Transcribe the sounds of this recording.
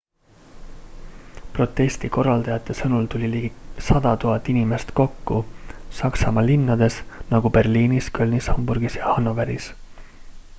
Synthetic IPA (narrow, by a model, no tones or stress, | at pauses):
pro̞t̪ːˑe̞st̪iko̞rːɑld̪̥ɑjɑt̪ːˑe̞sɤnult̪ulʲilisɑd̪̥ɑt̪uɦɑt̪ːˑinime̞st̪ko̞kːusɑksɑmɑlinːɑd̪̥e̞snɑɡ̥upe̞rliːniskølʲnishɑmburɡ̥isjɑhɑno̞veɾḭs